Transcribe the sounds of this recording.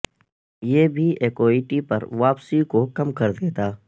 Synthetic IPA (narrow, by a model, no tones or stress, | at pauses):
jeːbʱiʔeːkoːiʈipɐ̰ɾʋaːpsikokɐmkɐɾd̪eːt̪aː